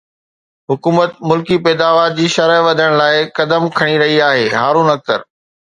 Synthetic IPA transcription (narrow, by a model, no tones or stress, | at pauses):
ɦʊkuːmət̪mʊlkipɛːd̪aːʋaːɾd͡ʑiːʃɐɾəʋɐd̪ʱəɽ̃laːɪkɐd̪əmkʰɐɽ̃iɾɐɦiaːɦeːɦaːɾũːnɐk̚t̪ə̰ɾ